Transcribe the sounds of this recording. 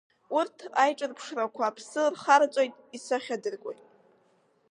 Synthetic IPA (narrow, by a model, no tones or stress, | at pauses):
urtʰajʈ͡ʂʼɨrpʰʂrakʷʰaːpʰsɨrχaɾt͡ʃʷʼojtʼisaχʲadɨrɡʷʼo̰jtʼ